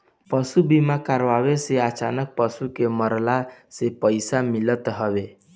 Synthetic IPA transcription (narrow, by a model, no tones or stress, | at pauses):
pəsubimãkaɾʋaʋeseat͡ʃa̰nək̚pəsukeməɾlasepəjsamilət̪ɦəʋe